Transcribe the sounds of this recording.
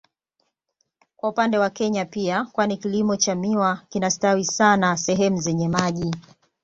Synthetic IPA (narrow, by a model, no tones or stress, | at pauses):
kwaupandɛwakɛɲapiakwanikilimɔt͡ʃamiwakinastawisanasɛɦɛmuzɛɲɛmaʄi